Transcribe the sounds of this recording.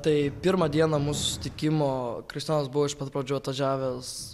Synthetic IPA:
t̪ɐɪpʲɪɾmɐd̪ʲiɛnɐmuːsʊsʊsʲɪ̥t̪ʲɪkʲɪmoːkɾʲɪʃsʲt̪ʲinɐsbʊʋoːɪʃpɐt̪̚pɾɐd͡ʒʲuːɐt̪ʋɐd͡ʒʲæːʋʲes

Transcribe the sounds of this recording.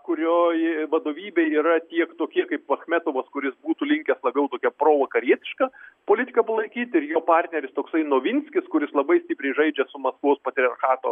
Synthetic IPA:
kʊɾʲoːjʋɐd̪oːʋʲiːbʲeɪiːɾɐt̪ʲiɛkt̪oːkʲiɛkɐɪppɐxʲmʲæt̪oːʋɐskʊɾʲɪsbuːt̪ʊlʲɪŋʲkʲɛslˠɐbʲɛʊt̪oːkʲɛpɾoːʋɐkɐɾʲiɛt̪ʲɪ̥ʃkɐpoːlʲɪt̪ʲɪkɐpɐlˠɐɪkʲiːt̪ʲɪɾjoːpɑrʲt̪ʲnʲɛɾʲɪst̪oːksɐɪnoːʋʲɪnʲsʲkʲɪskʊɾʲɪslˠɐbɐɪsʲt̪ʲɪpʲɾʲɛɪʒɐɪd͡ʒʲɛsʊmɐskʋoːspɐt̪ʲɾʲɪɐrxɑːt̪oː

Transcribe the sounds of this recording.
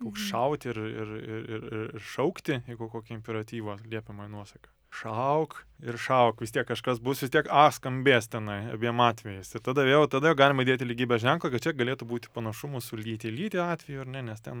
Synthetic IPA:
koːksʃɐʊt̪ʲɪrɪrɪɪrɪɪrʃɐʊkt̪ʲɪɪkoːkoːkʲɪɪmʲpʲɛɾɐt̪ʲiːʋoːlʲiɛpʲɛmɐːɪnuɔsɐkɐ | ʃɐʊk | ɪrʃɐʊkʋʲɪst̪ʲiɛkːɐʃkɐsbʊsʋʲɪsʲt̪ʲiɛkɑːskɐmʲbʲeːst̪ʲɛnɐɪɐ̰bʲiɛmɑːt̪ʲʋʲɛjɪsɪɾt̪ɑd̪ɐʋʲeːlˠt̪ɑːd̪ɐjɛʊɡɑːlʲɪmɐɪd̪ʲeːt̪ʲɪlʲɪɡʲiːbʲɛsʒʲæŋklˠɐkɐt̪t͡ʃʲɛɡɐlʲeːt̪ʊbuːt̪ʲɪ̥pɐnɐʃʊmʊsʊlʲiːt̪ʲɪlʲiːt̪ʲɪɑːt̪ʲʋʲɛjʊɐɾnʲɛnʲɛst̪ʲɛn

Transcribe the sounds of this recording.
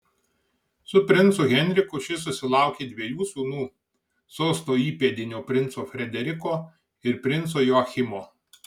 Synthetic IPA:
sʊpʲɾʲɪnt̪sʊɣʲɛnʲɾʲɪkʊʃʲɪs̬ʊsʲɪlˠɑˑʊkʲeːd̪ʲʋʲeɛjuːsuːnuː | sɔʊst̪oːiːpʲed̪ʲɪnʲoːpʲɾʲɪnt̪soːfʲɾʲɛd̪ʲɛɾʲɪkoː | ɪɾpʲɾʲɪnt̪soːjoːɐxʲɪmoː

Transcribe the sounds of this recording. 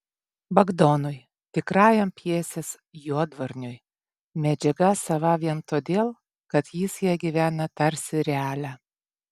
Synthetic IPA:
bɐɡd̪ɔnʊj | t̪ʲɪkɾɑːjɛmpʲjiɛsʲes | juɔd̪ʋɐɾʲnʲʊj | mʲɛd͡ʒʲɛɡɐsɐʋɐʋʲiɛmt̪oːd̪ʲeːlˠ | kɐt̪jisjiɛɡʲiʋʲæːnɐt̪ɐɾʲsʲɪɾʲɛæːlʲæː

